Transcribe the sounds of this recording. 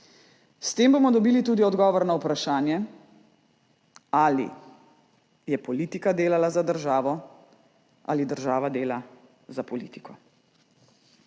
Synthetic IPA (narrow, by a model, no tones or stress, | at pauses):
st̪eːmbomɔd̪ɔbiːlit̪uːd̪iɔd̪ɡɔːʋɔɾnaupɾaʃaːnjɛ | alḭ | jɛpɔliːt̪ikad̪eːlalazad̪əɾʒaːʋɔ | ʔa̰lid̪əɾʒaːʋad̪eːla | zapɔlḭːt̪i̥kɔ